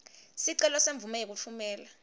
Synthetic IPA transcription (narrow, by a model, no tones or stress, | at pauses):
siǀɛlɔseɱb̪vumɛjek̬ut͡fʰumɛːla